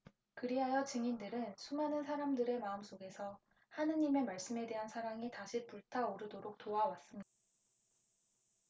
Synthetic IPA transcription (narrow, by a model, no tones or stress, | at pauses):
kɯɾiɦajʌt͡ɕɯŋindɯɾɯnsʰumanɯnsʰaɾamdɯɾe̞maɯms͈oɡe̞sʰʌ | hanɯɲime̞maɭs͈ɯme̞de̞ɦansʰaɾaŋitaɕʰipuɭtʰaoɾɯdoɾok̚toawas͈ɯmɲida